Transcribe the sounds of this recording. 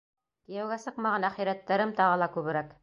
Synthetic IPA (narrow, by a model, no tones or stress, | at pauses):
k̪ĭjæwɡæsɤqmɑʁɑnæχiɾæt̪ːæɾɘmt̪ɑʁɤlˠɑkʉβɘ̆ɾæk